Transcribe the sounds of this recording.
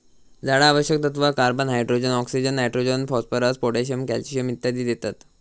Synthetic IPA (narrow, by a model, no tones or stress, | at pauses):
d͡zaɽaːʋəɕjək̚t̪ət̪ʋakaɾbənɦajɖɾod͡ʑənɔksid͡ʑənːajʈɾod͡ʑənfɔspəɾaspoʈeɕəmkɛlt͡ɕijəmit̪jad̪iːd̪et̪at̪